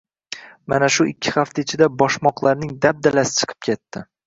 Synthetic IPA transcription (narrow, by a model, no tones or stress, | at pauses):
ma̰naʃʊʔɪkʲʰːɪ̥χaft̪aɪt͡ʃʰɪd̪abɒʃmɒqlˠaɾnɪŋd̪ab̚d̪alasɪ̥t͡ʃʰɨ̥qʰɨ̥p̚kʲʰe̞t̪ːɪ